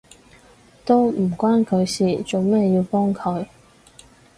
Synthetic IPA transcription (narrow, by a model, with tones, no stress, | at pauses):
t̪o˥wm̩˨˩kʷwaː˥nkʰɵ˨˧ɥsiː˨t͡so˨˩wmɛː˥˩jiː˧wpɔː˥ŋkʰɵ˨˧ɥ